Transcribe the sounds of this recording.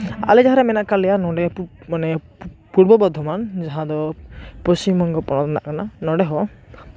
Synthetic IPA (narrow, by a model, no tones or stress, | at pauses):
a̰lɛd͡ʒaɦaɾɛmɛnaʔkalɛjanɔɖɛmane | puɾbɔbɔd̪ʱːɔmand͡ʒaɦãd̪ɔpɔst͡ʃimɔŋɡɔpɔɽ̃ɔt̪na̰ʔkananɔɖeɦɔ